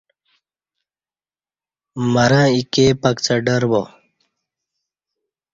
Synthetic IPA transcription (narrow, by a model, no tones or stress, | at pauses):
mɐɾãikeːpɐkt͡sɐɖəɾbo